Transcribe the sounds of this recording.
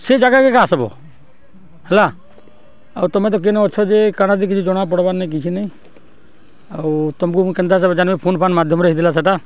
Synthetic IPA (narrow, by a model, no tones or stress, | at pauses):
sed͡ʒaɡakekasɔbɔ̰ | hɛla | auɾt̪ɔmɛt̪ɔk̬enɔɔt͡ʃʰɔd͡ʒekaɽ̃ad̪ikit͡ʃʰid͡ʒɔɽ̃ap̬ɔɽbanaik̬it͡ʃʰinĩ | at̪ɔmkũkɛnd̪as̬ɔbɛd͡ʒanmipʰoːnpʰanmad̪ʱjɔmɾəid̪ilasɛʈa